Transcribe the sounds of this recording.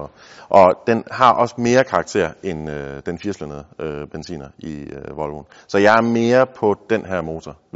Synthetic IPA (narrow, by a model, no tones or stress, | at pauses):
ʔɒ̽d̥enɦɑ̈ʔɒ̽sme̝ːɐkʰɑ̈ɡ̥t͡sʰe̝̰ɐ̰enød̥enfiɐslənəð̩ˠøb̥ensḭːnɐiʋɒ̽lʋun | sɒ̽jɑ̈ɪæɐme̝ːɐpʰɒ̽d̥enɦæɐ̰mo̝ːt͡sʰɒ